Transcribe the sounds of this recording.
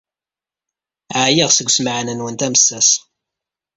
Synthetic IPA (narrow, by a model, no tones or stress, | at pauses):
ʕjiʁsəɡʷːsməʕnənwənt̪æmsːæs